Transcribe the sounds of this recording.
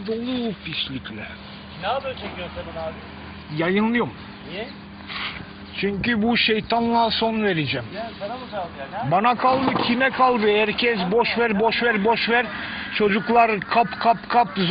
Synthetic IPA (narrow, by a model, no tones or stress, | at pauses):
d̪olˠupʰiʃlʲiclʲɛ | jajɯnlˠɯjom | t͡ʃʰyɲkybuʃejt̪ʰanlˠaso̞nve̞ɾed͡ʒɛm | banakʰalˠd̪ɯcʲʰimɛkʰalˠd̪ɯhæɾcʰɛs̬boʃvæɾboʃvæɾbo̞ʃvæɾt͡ʃʰo̞d͡ʒuklˠaɾkʰapkʰapkʰapz